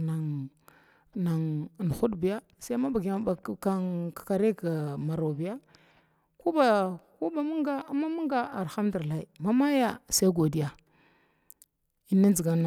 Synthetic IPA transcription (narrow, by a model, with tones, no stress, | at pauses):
na˨ | na˨ŋ˨n˨xu˦dbi˨ja˦ | sa˦ma˦ba˨ɡi˨˦ba˨ka˦kḁ˨ka˨ɾe˦ka˨ma˨ɾo˨bi˨ja˦ | ku˦ba˨ku˦ba˨mu˦ŋɡa˦a˦ma˦mu˦ŋɡa˦a˨ɾxa˦m˦du˨ɾla˦i˨ma˦ma˦ja˦sa˦i˦ɡo˨di˦ja˨ | i˦na˦nd͡ʒi˨ɡa˨na˨